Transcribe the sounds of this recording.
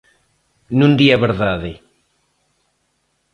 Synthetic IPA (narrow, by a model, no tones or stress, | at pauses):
nũnd̪iaβeɾðaðe